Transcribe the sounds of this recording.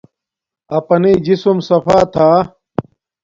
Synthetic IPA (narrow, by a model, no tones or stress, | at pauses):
ɐpɐniːd͡ʑisumsɐfaːt̪ʰaː